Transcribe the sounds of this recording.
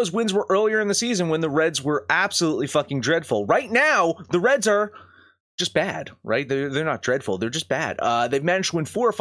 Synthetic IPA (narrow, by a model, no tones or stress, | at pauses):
oʊzwɪ̃nzwə˞ʔɜ˞lˠiə˞ɨ̃nðɨsizɨ̃nwə̃nðəɹɛdzwə˞æb̥səluʔˡlifʌkɪ̃ŋdɹɛd̥fl̩ˠɹaɪtⁿnaʊðəɹɛdzə̥˞ | d͡ʒ̥ʌsb̥æd̥ɹʔa̰ɪt̪̚ðəðə˞nət̚d̥ɹɛd̥fl̩ˠðə˞d͡ʒʌsb̥æ̰d̥ʌðeɪvmænɨd͡ʒd̚wɪ̃nfɔɹf